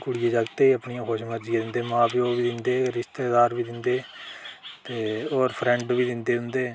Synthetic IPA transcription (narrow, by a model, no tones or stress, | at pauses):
kʊɽɪjeːd͡ʒaːɡt̪eːəpɳijãːkʰoːʃməɾd͡ʒijaːd̪ɪnd̪eːmãːbiːoːʋiːd̪ɪnd̪eːɾɪʃt̪eːd̪aːɾʋiːd̪ɪnd̪eː | t̪eːoːɾpʰɾɛ̃ɳɖʋiːd̪ɪnd̪eːɦʊ̃nd̪eː